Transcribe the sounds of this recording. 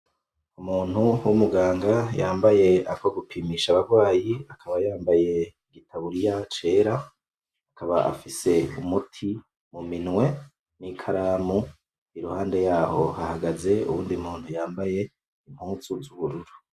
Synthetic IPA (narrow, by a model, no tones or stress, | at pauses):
umuːn̥huwumuɡaːŋɡajaːmbaje̞akoɡupʰiːmiːʃaβaɾɡwaːjiakʰaβajaːmbaje̞ | ɡitʰaβuɾijat͡ʃe̞ːɾa | akʰaβa̰ʔa̰fise̞umutʰi | muminŋwe̞ | nikʰaɾaːmu | iɾuhaːnde̞jaːho̞̰hahaɡaze̞ṵβuːndiumuːn̥hujaːmbaje̞ | im̥huːzuzuβuɾuɾu